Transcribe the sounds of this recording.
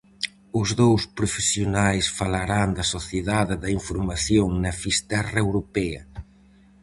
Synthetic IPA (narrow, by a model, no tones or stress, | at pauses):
ʊzðowspɾofesjonajsfalaɾaŋd̪ɐsoθjeðaðɪðɐiɱfoɾmaθjoŋnɐfist̪ɛrɐewɾopɛɐ